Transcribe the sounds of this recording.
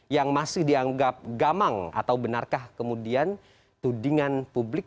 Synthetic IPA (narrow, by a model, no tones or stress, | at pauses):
jaŋmasɪhdiaŋɡap̚ɡamaŋa̰t̪awbənarkahkəmudian | t̪udiŋanpublɪk̚